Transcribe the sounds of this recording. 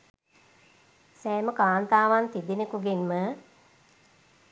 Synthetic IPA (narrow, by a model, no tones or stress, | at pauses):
sɛːməkaːnt̪aːʋant̪id̪inekuɡenmə